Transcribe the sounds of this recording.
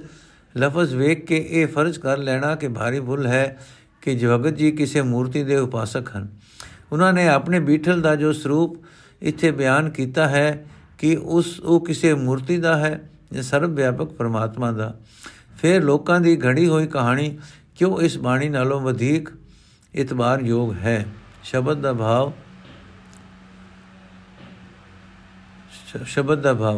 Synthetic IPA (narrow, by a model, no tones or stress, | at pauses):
ləfəzʋeːkːeʔeːpʰəɾd͡ʒkəɾlɛːɽ̃aːkɪbʱaːɾiːbʊlɦɛː | kɪd͡ʒbəɡət̪̚d͡ʒiːkɪseːmuːɾt̪iːd̪eːʊpaːsəkɦən | ʊnãːneːapneːbiːʈʰəld̪aːd͡ʒoːsʊɾuːp | ɪ̰t̪ʰːeːbjaːnkiːt̪aːɦɛː | kɪʊsoːkɪseːmuːɾt̪iːd̪aːɦɛː | d͡ʒːsəɾbʋjaːpək̚pəɾmaːt̪mãːd̪aː | pʰɪɾloːkãːd̪iːɡʱəɽiːɦoːiːkəɦaːɽ̃iːkjõːɪsbaːɽ̃iːnaːlõːʋəd̪ʱiːk | ɪt̪baːɾjoːɡɦɛːʃəbəd̪̚d̪aːbʱaːʋ | ʃəbəd̪d̪aːbʱaːʋ